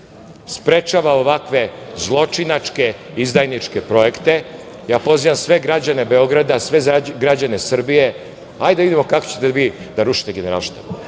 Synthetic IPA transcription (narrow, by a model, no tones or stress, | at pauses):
spɾe̞t͡ʃaʋao̞ʋakʋe̞zlˠo̞t͡ʃinat͡ʃke̞ | izd̪ajnit͡ʃke̞pɾo̞je̞kt̪e̞ | jaːpo̞ziʋamsʋe̞ɡɾad͡ʑane̞be̞o̞ɡɾad̪asʋe̞ɡɾad͡ʑane̞sr̩bije̞ | ajd̪aʋid̪imo̞kako̥t͡ɕet̪eʋid̪aɾuʃi̥t̪eɡe̞neɾa̰lˠʃt̪a̰p